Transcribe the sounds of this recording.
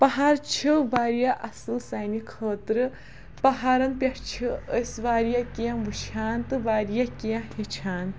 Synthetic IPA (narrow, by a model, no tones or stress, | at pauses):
pɐɦaːɾt͡ʃʰiʋaːɾjaʔɐsɨlsɐjnikʰəːt̪ɾɨ | pɐɦaːɾɐnpʲɐʈt͡ʃʰiəsʋaːɾijakijãbut͡ʃʰaːnt̪ɨʋaːɾijakijãhet͡ʃʰaːn